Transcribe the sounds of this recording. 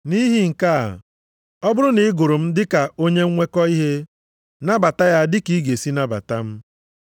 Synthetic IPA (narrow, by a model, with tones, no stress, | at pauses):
ni˦ɦi˦ŋ̩˨ka̰˦˨ | ɔ˦bʊ˦ɾʊ˦ni˨ɪ˦ɡo˨ɾo˨m̩˦dɪ˦ka˨o˦ɲe˦ŋ̩˦ŋʷe˦kɔ˦i˦ɦe˦ | na˦ba˨ta˦ja˦dɪ˦ki˨i˦ɡe˨si˦na˦ba̰˨ta˦m̩˦